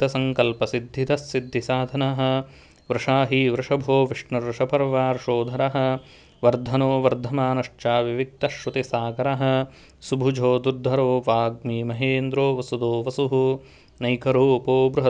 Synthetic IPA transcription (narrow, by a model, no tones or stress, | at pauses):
t̪ɐsɐŋkɐlpɐsid̪ʱːit̪ɐsːid̪ʱːisaːd̪ʱɐnɐɦɐ̆ | ʋɾɪʂaːɦiʋɾɪʂɐbʱoːʋiʂɳɐɾʂɐpɐɾʋaːɾʂoːd̪ʱɐɾɐɦɐ̆ | ʋɐɾd̪ʱɐnoːʋɐɾd̪ʱɐmaːnɐʂt͡ʃaːʋiʋik̚t̪ɐʃʋɐt̪isaːkɐɾɐɦɐ̆ | subʱud͡ʒʱoːd̪uɾd̪ʱːɐɾoːʋaːɡmiːmɐɦeːnd̪ɾoːʋɐsud̪oːʋɐsuɦu | nɐjkɐɾoːpoːbɾuɦɐ